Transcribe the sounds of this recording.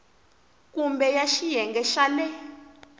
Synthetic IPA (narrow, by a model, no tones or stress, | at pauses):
kumbɛjaʃijɛŋɡɛʃaːnɛ